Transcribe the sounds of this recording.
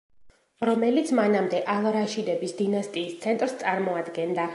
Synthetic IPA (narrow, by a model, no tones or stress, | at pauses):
ɾɔmɛlit̪sʰmanamd̪ɛʔalˠɾaʃid̪ɛbisd̪inast̪ʼiːst̪sʰɛnt̪ʼɾst̪sʼaɾmɔad̪ɡɛnd̪a